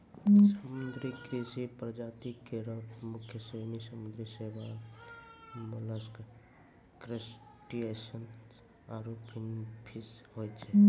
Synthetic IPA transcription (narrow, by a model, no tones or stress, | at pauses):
səmund̪ɾikʰesipɾəd͡ʒaːt̪ikeɾəbmʊkʰːjəsemisəmund̪ɾiseba | muləsk | kɾes | ʈiesən | aɾopʰinpʰishojt̪t͡ʃʰɛ